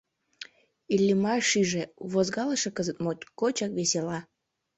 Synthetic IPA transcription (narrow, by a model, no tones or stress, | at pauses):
ilʲːimɑʃiʒeβozɣɑləʃĕkəzət̪̚mot̪ʲkot͡ɕɑkβeselɑ